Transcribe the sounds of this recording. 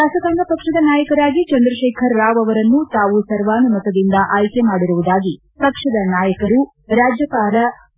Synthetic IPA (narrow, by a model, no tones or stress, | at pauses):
ʃaːsɐkaːnɖɐpɐkʂɐd̪ɐnaːjɐkɐɾaːɡit͡ʃɐnd̪ɾɐʃɛːkʰɐɾːaːʋɐʋɐɾɐnːut̪aːʋusɐɾʋaːnɐmɐt̪ɐd̪ind̪ɐʔaːjkemaːɽiɾuʋud̪aːɡi | pɐkʂɐd̪ɐnaːjɐkɐɾu | ɾaːd͡ʒjɐpaːɾɐ